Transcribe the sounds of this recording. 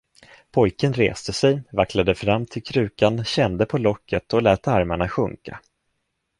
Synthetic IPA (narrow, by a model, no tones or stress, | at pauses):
pʰɔjkənɾḛːst̪əsɛjvaklad̪əfɾamːt̪ʰɪlkʰɾʉ̟ːkanɕɛnd̪əpʰɔlɔkːət̪ʰɔlɛːt̪aɾmaɳaɧɵ̰ŋka̰